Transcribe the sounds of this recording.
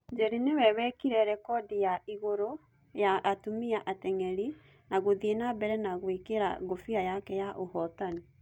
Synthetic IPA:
d͡ʒɛɾinewɛβɛkiɾɛɾɛkɔdijaiɣoɾo | jaatumiaʔatɛŋɛɾi | naɣoðienabɛɾɛnaɣwekeɾa̰ɣofiajakɛjaʔohɔtani

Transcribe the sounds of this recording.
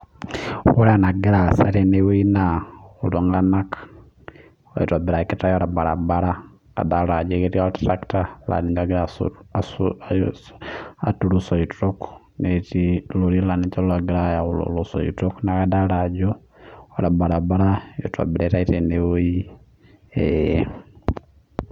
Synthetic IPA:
woɾanaɡiɾasaɾenewoinauloŋɡanakḁ | ojo̰twabiɾaketajoɾabaɾa̰baɾa | ka̰dalad͡ʒeketiatɾaktala̰nid͡ʒaɡiɾa̰ | atulusoitɾoku̥ŋetilolilanit͡ʃalaɡiɾajaulo̰luso̰ḭtoknakadalad͡ʒo | oɾabaɾabaɾajotwa̰biɾetaitenewoi | e

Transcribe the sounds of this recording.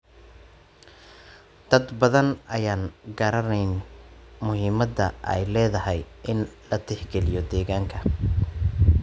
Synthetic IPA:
d̪̥ɐd̪bɐðɐnɐjaːnɡɐɾɐnɛjnmʊɦiːmɐd̪ːɐ̰ʔɛ̰jlɛːðɐɦɛjʔɪnlɐt̪ʰɪħɡɛlɪjɔd̪ɛːɣaːŋkʰɐ

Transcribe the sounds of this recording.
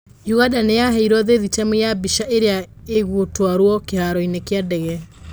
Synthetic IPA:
juɣadanejaɦɛiɾwɔðeðitamejabiʃaʔeɾeaeɣotwaɾwɔkehaɾɔinekeadɛɣɛ

